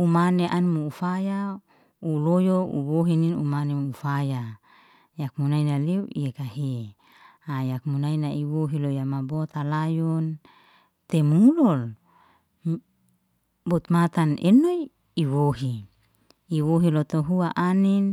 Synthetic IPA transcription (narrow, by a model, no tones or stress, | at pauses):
umaneʔanimuufaja | ulojoṵwoɦininumanemufaja | jak̚munainaleuḭekaɦe | ajak̚munainaiwoɦilojamabot̪alajɔn | t̪emulɔl | bot̪mat̪anḛno | iwoɦi | iwoɦilot̪oɦuaʔanin